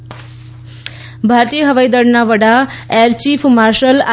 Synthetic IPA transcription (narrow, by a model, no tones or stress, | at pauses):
bʱaɾt̪ijəɦʌʋajd̪əɽnaʋəɽaeɾt͡ʃipʰmaɾʃəla